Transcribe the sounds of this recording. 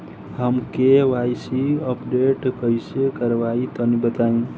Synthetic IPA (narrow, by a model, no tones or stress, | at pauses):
ɦəmkeʋajsiəpɖeʈkəisekəɾʋait̪ənibət̪aĩ